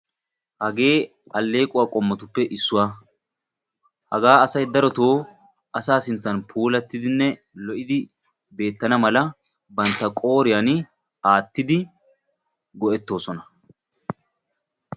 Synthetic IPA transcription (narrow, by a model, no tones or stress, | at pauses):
hɐɡe̞ː | ɐlːe̞ːkʼʊwaːkʼɔmːɔt̪ʊpːɛʔɪsːʊwaː | hɐ̰ɡaːɐsɐjd̪ɐɾɔt̪oː | ɐsaːsɪnt͡s̪ːɐnpʰuːlɐt̪ːɪd̪ɪnːɛ | lɔʔɪd̪ɪ | be̞ːt̪ːɐnɐmɐlɐ | bɐnt̪ːɐkʼo̞ːɾɪjan | aːt̪ːɪd̪ɪ | ɡɔʔɛt̪ːo̞ːsɔnɐ